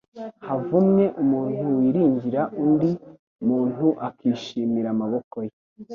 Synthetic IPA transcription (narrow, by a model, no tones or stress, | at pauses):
havumɲe̞ʔumuːn̥huwiɾiːɲɟiɾaʔundi | umuːn̥uʔakiːʃiːmiɾamaβo̞koje